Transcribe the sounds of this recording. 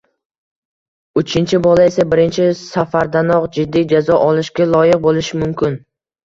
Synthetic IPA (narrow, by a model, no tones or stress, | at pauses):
ʊt͡ʃʰɪnt͡ʃʰɪbɒlae̞sabɪɾɪnt͡ʃʰɪsafaɾd̪anɒqd͡ʒɪd̪ːijd͡ʒazɒʔɒlɪʃɡʲalˠɒjɪq̚bolɪʃɪmʊmkʲʰɪn